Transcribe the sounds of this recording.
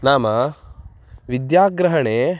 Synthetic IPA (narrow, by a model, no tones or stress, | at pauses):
naːmɐ | ʋid̪jaːɡɾɐɦɐɳeː